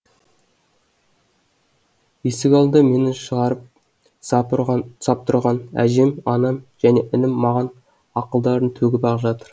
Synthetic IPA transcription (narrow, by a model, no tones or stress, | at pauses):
esɪkʲɑlˠd̪əme̞nɪʃəʁɑɾəp̚ | sɑp̚t̪ʰʊɾʁɑnæ̰ʒemɑnɑmʒ̥æne̞ʔɪnɪmːɑʁɑn | ɑqəlˠd̪ɑɾənt̪ʰɵɡʲɪpɑʁpʒɑt̪əɾ